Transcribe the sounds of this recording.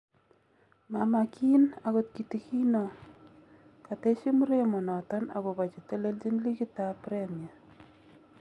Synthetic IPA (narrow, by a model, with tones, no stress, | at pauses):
mama˨ki˦naɣo˦t̚ki˨ti˨ki˦nɔ˨ | ka˨te˦ʃi˦mu˦ɾe˦mɔ˨nɔ˨tɔ˦na̰˨bo˨ba˨t͡ʃe˨te˦le˦ld͡ʒi˦nli˦ki˦ta˦pɾɛ˦mja˨